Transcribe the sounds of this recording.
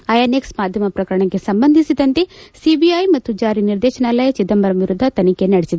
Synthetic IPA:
ɐjaːneksmaːd̪ʱjɐmɐpɾɐkɐɾɐɳɐkːesɐmbɐnd̪ʱisid̪ɐnt̪esibiɐjmɐt̪ːud͡ʒaːɾiniɾd̪eːʃɐnaːlɐjɐt͡ʃit̪ɐmbɐɾɐmʋiɾud̪ʱːɐt̪ɐnikenɐɽesid̪e

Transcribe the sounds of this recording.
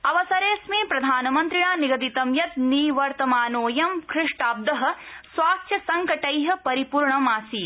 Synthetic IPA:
ɐʋɐsɐɾeːsmeːpɾɐd̪ʱaːnɐmɐnt̪ɾiɳaːniɡɐd̪it̪ɐmjɐt̪niːʋɐɾt̪ɐmaːnoːjɐmkɾɪʂʈaːb̚d̪ɐɦɐ̆sʋaːst̪ʰjɐsɐŋkɐʈɐjɦɐ̆pɐɾipuːɾɳɐmaːsiː

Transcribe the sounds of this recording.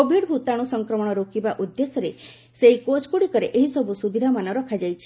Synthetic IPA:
kobʱiɽbʱut̪aɽ̃usɔŋkɾɔmɔɽ̃ɔɾokibaʔud̪ːesɔɾe | seɦikot͡ʃkuɽikɔɾeʔeɦisɔbʱusubid̪ʱamanɔɾɔkʰad͡ʒajt͡ʃʰi̥

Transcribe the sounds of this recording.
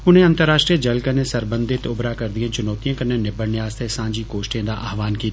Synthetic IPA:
ʊn̤ɦẽːɐ̃nt̪əɾːaːʃʈɾiəd͡ʒɐlkənesɐɾbə̃nd̪ʱɪt̪ʊbɾakɐɾd̪ijãːt͡ʃʊnɔːt̪ijãːkɐnːẽnɪbəɽnɪjaːst̪ʰesãːɲd͡ʒikoːʃʈẽːd̪aʔaːɦʋaːnkiːt̪ː

